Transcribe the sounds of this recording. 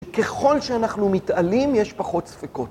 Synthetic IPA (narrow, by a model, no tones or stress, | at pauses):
ke̞χo̞lʃeanaχnumitʔalimjeʃpaχo̞tsfiko̞t